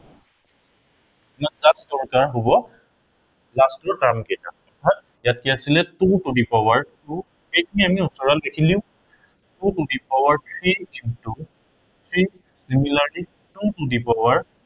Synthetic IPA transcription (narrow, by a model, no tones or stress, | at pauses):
masasdɔɹkaɹɦobɔ | lastɔtamkejta̰ɔtʰat̚ | jat̚kiasilɛtutudipawaɹtu | xejkʰiniamiusɔɹaldekʰiliʊ̃ | tutudipawaɹtʰɹiintu | tʰɹi | similaɹli | tutudipɔwaɹ